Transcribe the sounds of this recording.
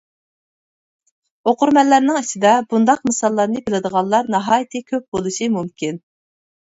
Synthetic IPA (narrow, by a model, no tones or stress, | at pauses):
oqʊɾmɛlːæɾnɪŋit͡ʃʰid̪ɛbund̪ɑqmɨsɑlˠːɑɾnɨbɪlɪd̪əʁɑnlˠɑɾnɑɦɑːjt̪ʰɨkʲʰøp̚b̥olˠuʃimumkʲin